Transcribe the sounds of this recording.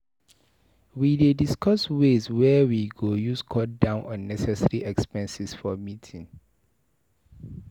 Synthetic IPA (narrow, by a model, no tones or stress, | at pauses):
widediskʰɔsweswɛwiɡojuskʰɔt̚dãʊ̃nʔɔ̃nːɛsɛsaɹiʔɛkspɛ̃nsisfɔmitʰĩn